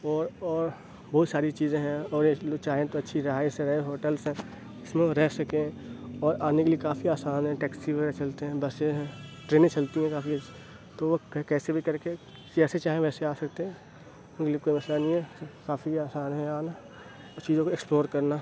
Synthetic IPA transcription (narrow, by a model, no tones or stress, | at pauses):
ɔːɾɔːɾ | bɐɦʊt̪saːɾit͡ʃiːzẽɦɛ̃ɔːɾjeloːɡt͡ʃaːɦẽt̪oɐtːʃʰiɾɪɦaːjsẽɾɛɦẽɦoːʈəlsɦɛ̃ | ɪsmẽɾɛɦsɐkẽɦɛ̃ɔːɾaːnekeliekaːfiaːsaːnɦɛ̃ʈɛːksiʋʱeɾt͡ʃɐlt̪eɦɛ̃bɐseɦɛ̃ʈɾeːnẽt͡ʃɐlt̪iɦɛ̃kaːfi | t̪oʋokkɛːsebʱikɐɾke | kɛːset͡ʃaːɦẽʋɛːseaːsɐkt̪eɦɛ̃ | ʊnkeliekoːimɐslanĩɦɛkaːfiaːsaːnɦɛ̃aːna | ɔt͡ʃiːzõkoeksploːɾkɐɾna